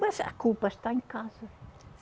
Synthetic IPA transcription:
ɐzɐ̰kulpɐʃt̪aẽŋkazɐ

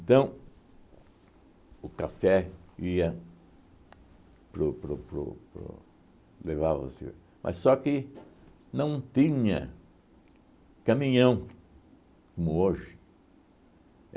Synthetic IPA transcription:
ẽnt̪ɐ̃w̃ | ʊkafɛiɐ | pɾʊpɾʊpɾʊ̰pɾʊ̰ | levavɐ̰sɪ | mʔɐ̰ssɔkɪ | nɐ̃w̃t̪ĩɲɐ̰ | kɐmĩɲɐ̃w̃ | komʊoʒɪ

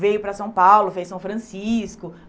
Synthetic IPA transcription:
vejʊpɾɐsɐ̃w̃pawlʊfejsɐ̃w̃fɾɐ̃siskʊ

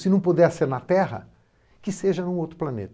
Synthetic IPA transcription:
sɪnɐ̃w̃pud̪ɛseɾnɐt̪ɛɦɐ̰ | kɪseʒɐnũowt̪ɾʊplɐnḛt̪

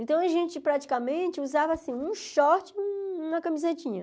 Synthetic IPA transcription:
ẽt̪ɐ̃w̃ɐʒẽt͡ʃɪpɾat͡ʃi̥kamẽt͡ʃɪuzavɐaːsĩũʃɔɾt͡ʃɪ̃ũnɐkɐ̃mizet͡ʃĩɲɐ

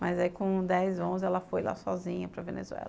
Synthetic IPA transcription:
majzaikõd̪ɛjzõzɪɛlɐfojla̰sɔzĩɲɐpɾɐvenḛzuɛ̰lɐ

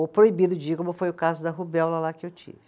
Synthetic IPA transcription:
opɾoibid̪ʊd͡ʒiɐkõmʊfojʊkazʊd̪ɐɦubɛwlɐlakɪewt͡ʃḭvɪ

